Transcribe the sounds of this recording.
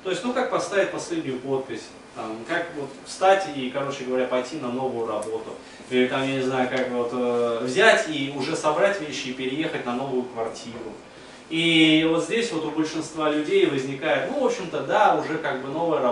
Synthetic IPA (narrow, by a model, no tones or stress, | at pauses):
t̪o̞ɪsʲnukak̚pɐst̪avʲɪt̚ʲpɐsʲlʲedʲnʲʊjʊpo̞t̪̚pʲɪsʲ | t̪amkakvo̞t̪fst̪atʲikɐɾo̞t͡ɕɪɡəvɐɾʲapɐjtʲinɐno̞vʊjʊrɐbo̞t̪ʊ | ilʲɪt̪amjanʲɪznajʊkakvo̞t̪əvzʲætʲiʊʐɛsɐbɾatʲvʲeɕːɪːpʲɪɾʲɪje̞xətʲnɐno̞vʊjʊkvɐrtʲʰiɾʊ̰ | ivo̞t̪zʲdʲesʲvo̞t̪ʊbəlʲʂɨnst̪valʲʉdʲejvəzʲnʲɪkajɪt̪nuvo̞pɕːɪmt̪əd̪aʊʐɛkaɡ̚bɨno̞vɨjəɾɐ